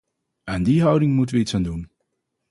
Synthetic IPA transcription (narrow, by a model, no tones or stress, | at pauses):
aːndiɦʌwdɪŋmutənʋəitsaːndun